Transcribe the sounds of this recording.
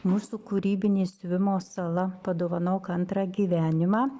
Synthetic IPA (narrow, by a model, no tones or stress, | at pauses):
muːsuːkʊɾʲiːbʲɪnʲeːsʲʊʋʲɪmoːsɐlˠɐpɐd̪oːʋɐnɐːkɐnt̪ɾɑːɡʲiːʋʲæːnʲɪmɑː